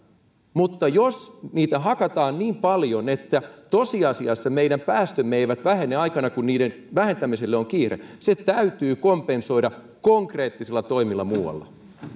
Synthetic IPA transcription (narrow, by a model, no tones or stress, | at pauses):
mut̪ːɑjosniːt̪æɦɑkɑt̪ɑːnniːmpɑljonet̪ːæt̪osiɑsiɑsːɑmeiɾæmpæːst̪ømːeiʋæt̪ʋæhenːeɑikɑnɑkunniːɾen | ʋæhent̪æmiselːeoŋkiːrḛset̪æyt̪yːkompenso̞iɾɑ | koŋkre̞ːt̪ːiselːɑt̪o̞imilːɑmuːwɑ̰lːɑ̰